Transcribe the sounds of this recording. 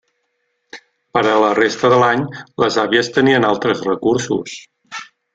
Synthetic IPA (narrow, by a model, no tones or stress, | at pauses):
pəɾələrest̪əðəlaɲləzaβiəst̪əniənalˠt̪ɾəzrəkuɾsṵs